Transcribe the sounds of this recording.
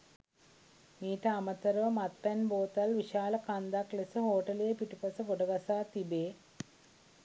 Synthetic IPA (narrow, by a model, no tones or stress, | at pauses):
miːʈɐːmɐt̪ɐɾɐʋɐmɐt̪pɐnboːt̪ɐlʋiɕaːlɐkɐnd̪aːklesɨhoːʈɐlepiʈupɐsɐkoʈɐɡɐsaːt̪ibeː